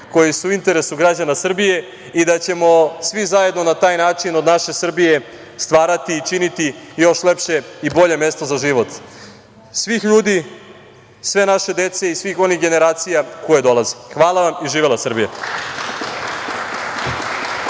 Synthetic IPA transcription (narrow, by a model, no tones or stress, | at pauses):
ko̞jisuuint̪e̞ɾesuɡɾad͡ʑanasr̩bije̞ | id̪at͡ɕe̞mo̞sʋizaje̞d̪no̞nat̪aːjnaːt͡ʂinod̪naʃe̞sr̩bije̞ | st̪ʋaːɾat̪iːt͡ʃinit̪ijo̞ʃle̞pʃe̞ibo̞ʎe̞me̞st̪o̞zaʒiʋo̞t̪ | sʋixʎuːd̪i | sʋe̞naʃe̞d̪e̞t̪se̞isʋixo̞nixɡe̞ne̞ɾaːt̪sijako̞jed̪o̞lˠazexʋaːlˠaʋamiʒiːʋelasr̩bija̰